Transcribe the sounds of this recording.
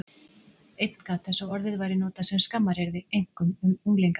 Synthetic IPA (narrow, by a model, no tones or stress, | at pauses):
ejt̪nkaθʰɛsɔwɔɾðɪðvajɾɪnoːt̪asɛmskamːaɾ̥heɾðɪejŋ̥kʏmʏmuŋlejŋk